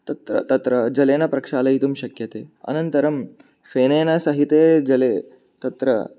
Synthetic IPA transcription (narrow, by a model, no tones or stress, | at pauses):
t̪ɐt̪ɾɐ̰t̪ɐt̪ɾɐd͡ʒɐleːnɐpɾɐkʂaːlɐjit̪umʃɐkjɐt̪eːɐ̰nɐnt̪ɐɾɐm | feːneːnɐsɐɦit̪eːd͡ʒɐleː | t̪ɐt̪ɾɐ̰